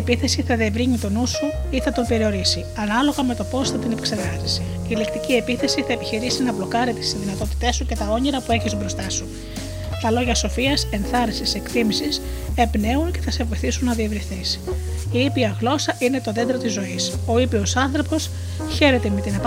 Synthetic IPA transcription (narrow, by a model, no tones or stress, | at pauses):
epiθe̞siθɐðievɾiɲit̪o̞nusu | iθɐt̪ope̞ɾio̞ɾisi | ɐnɐlo̞ɣɐme̞t̪o̞po̞sθɐt̪inepekseɾɣɐzise | ilikt̪icie̞piθe̞siθɐepiçiɾisinɐblo̞kɐɾit̪isizðinɐt̪o̞t̪i̥t̪e̞suce̞t̪ɐo̞ɲiɾɐpue̞çist̪bɾo̞st̪ɐsu | t̪ɐlo̞ʝɐso̞fiɐse̞nθɐɾisise̞kt̪imisise̞bne̞unce̞θɐse̞vo̞jθisunːɐðievɾiθisiipiɐɣlo̞sɐʔine̞t̪o̞ðe̞nd̪ɾo̞t̪izo̞iso̞ipio̞sɐnθɾo̞po̞s | çe̞ɾe̞t̪e̞me̞t̪inɐp